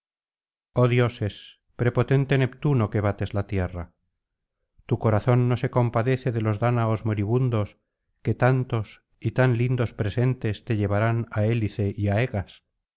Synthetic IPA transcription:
o̞ðjo̞se̞s | pɾe̞po̞t̪e̞nt̪e̞ne̞pt̪uno̞ke̞βat̪e̞zlat̪je̞ra | t̪uko̞ɾaθo̞nːo̞se̞ko̞mpaðe̞θe̞ðe̞lo̞zðanaozmo̞ɾiβ̞und̪o̞s | ke̞t̪ant̪o̞s | it̪anlind̪o̞spɾe̞se̞nt̪est̪e̞ʎe̞β̞aɾanae̞liθe̞ʔiae̞ɣas

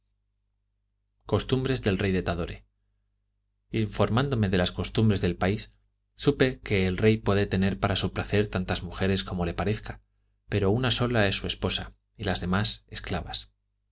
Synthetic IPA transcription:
ko̞st̪umbɾe̞zðe̞lre̞jðe̞t̪aðo̞ɾe̞ | iɱfo̞ɾmãnd̪o̞me̞ðe̞lasko̞st̪umbɾe̞zðe̞lpaisː | upe̞ke̞ːlre̞jpwe̞ðe̞t̪e̞ne̞ɾpaɾasupɾaθe̞ɾt̪ant̪azmuxe̞ɾe̞sko̞mo̞le̞paɾe̞θkḁ | pe̞ɾo̞unaso̞lae̞sːue̞spo̞sa | ilazðe̞mase̞sklaβas

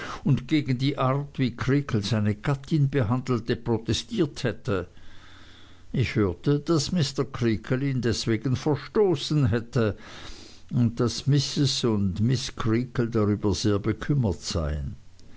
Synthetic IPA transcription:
ʊntɡ̥eːɡən̩diːʔaɐtv̥iːkʰʁ̥iːkl̩zaɪnəɡ̥atʰɪnbəɦandl̩təpʁ̥otɛstiːɐthɛtə | ʔɪçhøːɐtəd̥asmɪstɐkʁ̥iːkʰəliːndɛsv̥eːɡən̩fɛɐʃtoːsnɦɛtə | ʊnt̚d̥asmɪsɪsʊndmɪskʰʁiːkl̩daʁyːbɐz̥eːɐbəkʰʏmɐtz̥a̰ɪə̰n

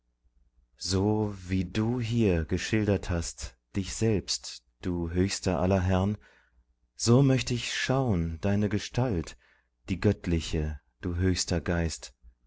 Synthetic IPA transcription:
zoːviːduːɦiːɐɡəʃɪldɐthast | d̥ɪçz̥ɛlpst | d̥uːɦøːçstɐʔa̰lɐɦɛʁn | z̥oːmœçtəɪçʃaʊənd̥aɪnəɡəʃtʰalt | d̥iːɡœtʰlɪçə | d̥uːɦøːçstɐɡaɪst

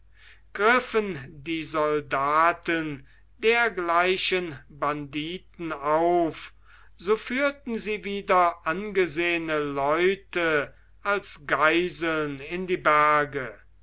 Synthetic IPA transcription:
ɡ̥ʁɪfəndiːzɔldaːtən | deːɐɡlaɪʃənbandiːtn̩aʊf | z̥oːfyːɐtn̩ziːviːdɐʔanɡəzeːənəlɔʏtə | ʔalsɡ̥aɪzl̩nɪndiːbæɐɡə

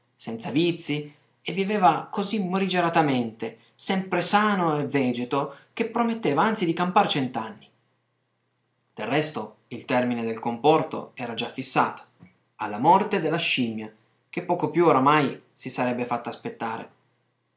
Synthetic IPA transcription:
sɛnt̪savit̪sːi | evːiveːvakozimːoɾid͡ʒeɾat̪ament̪e | sɛmpɾesaːnoevːɛːd͡ʒet̪ok̟epːɾomet̪ːeːvaant̪sid̪ikampaɾt͡ʃɛnt̪anːi | d̪̥erːɛst̪oilt̪ɛrmined̪elkompɔrt̪o̰ɛːɾad͡ʒafːisːaːt̪o̥ | a̰lːamɔrt̪ed̪elːaʃimja | k̟epːɔːkopjuoɾamaj | sisaɾɛbːefat̪ːaːspet̪ːaːɾḛ

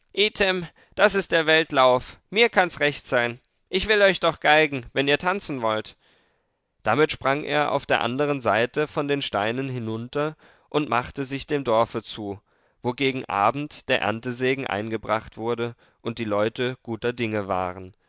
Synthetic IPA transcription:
ʔeːtʰɪm | d̥asɪstd̥eːɐvɛltlaʊfmiːɐkʰansʁɛçtz̥aɪn | ʔɪçv̥ɪlɔʏçd̥ɔχɡ̥aɪɡŋ̩vɛniːɐtʰant͡sn̩vɔlt | d̥amɪtʃpʁ̥aŋʔḛːɐʔa̰ʊfd̥eːɐʔa̰ndəʁ̞ənzaɪtəfɔndeːnʃtaɪnənɦɪnʊntɐ | ʔʊntmaχtəzɪçd̥eːmdɔɐfət͡suː | voːɡeːɡŋ̩ʔa̰ːbm̩td̥eːɐʔɛ̰ɐntəzeːɡŋ̩ʔa̰ɪnɡəbʁaχtv̥ʊɐdə | ʔʊnt̚d̥iːlɔʏtəɡ̥uːtɐdɪŋəva̰ːʁən

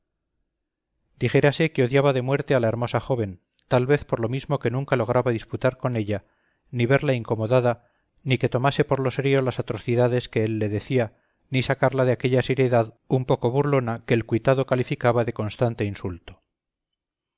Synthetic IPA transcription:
d̪iχe̞ɾase̞keo̞ðjaβaðe̞mwe̞ɾt̪e̞alaeɾmo̞saχo̞β̞e̞n | t̪alβe̞θpo̞ɾlo̞mizmoke̞nũŋkalo̞ɣ̞ɾaβaðisput̪aɾko̞ne̞ʎa | niβe̞ɾlaiŋko̞mo̞ðaða | nike̞t̪o̞mase̞po̞ɾlo̞se̞ɾjo̞lasat̪ɾo̞θiðaðe̞ske̞elːe̞ðe̞θia | nisakaɾlaðeake̞ʎase̞ɾjeðað | umpo̞ko̞βuɾlo̞nake̞ːlkwit̪aðo̞kalifikaβaðe̞ko̞nst̪ant̪einsult̪o

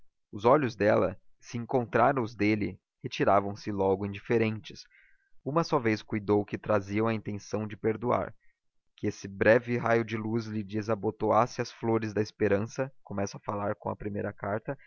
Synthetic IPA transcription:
ʊzɔʎʊzd̪ɛlɐ̰sɪẽŋkõnt̪ɾaɾɐ̃ʊzd̪elɪ | het͡ʃiɾavɐ̃w̃sɪlɔɡʊĩd͡ʒifeɾẽnt͡ʃɪs | ũmɐsɔvejskujd̪owkɪt̪ɾaziɐ̃w̃ɐĩnt̪ẽsɐ̃w̃d͡ʒɪpeɾd̪ua̰ɾ | kɪesɪbɾɛvɪɦajʊd͡ʒɪluzlɪd͡ʒizɐbot̪oasɪɐsfloɾɪzd̪ɐɪspeɾɐ̃sɐkomɛsɐɐfalaɾkõɐ̰pɾimejɾɐkaɾt̪ɐ

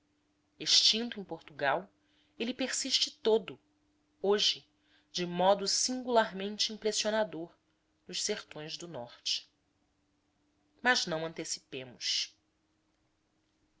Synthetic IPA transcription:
eʃt͡ʃĩnt̪uʊẽj̃poɾt̪uɡaw | elɪpeɾsiʃt͡ʃɪt̪od̪ʊ | oʒɪ | d͡ʒɪmɔd̪ʊsĩŋɡulaɾmẽnt͡ʃɪĩpɾesionad̪oɾ | nʊʃseɾt̪õj̃zd̪ʊnɔχt͡ʃɪ̥ | maznɐ̃w̃ɐ̃nt̪esi̥pẽmʊʃ

